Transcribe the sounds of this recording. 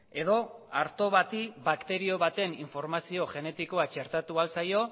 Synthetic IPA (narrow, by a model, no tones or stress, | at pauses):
e̞ðo̞aɾt̪o̞βat̪iβakt̪e̞ɾio̞βat̪e̞niɱfo̞ɾmasio̞ʝe̞ne̞t̪iko̞at͡ʃe̞ɾt̪at̪ualsajo̞